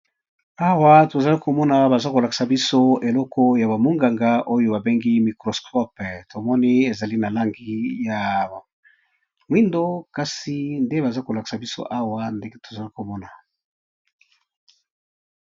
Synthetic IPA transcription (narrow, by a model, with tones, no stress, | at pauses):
a˦wa˦to˨za˨li˦ko˨mɔ˦na˨ba˨za˦ko˨la˨ki̥˨sa˨bi˦so˦e˨lɔ˦kɔ˦ja˨ba˨mo˦ŋɡa˨ŋɡa˦ʔo˦jo˦ba˨be˦ŋɡi˦mi˨kʁɔ˨skʰɔ˦pto˨mɔ˦ni˦e˨za˨li˦na˨la˦ŋɡi˦ja˨ | ŋwi˦ndo˦ka˦si˦nde˦ba˨za˦ko˨la˨ki̥˨sa˨bi˦so̰˦ʔa˦wa˦nde˦ɡe˦to˨za˨li˦ko˨mɔ˦na˨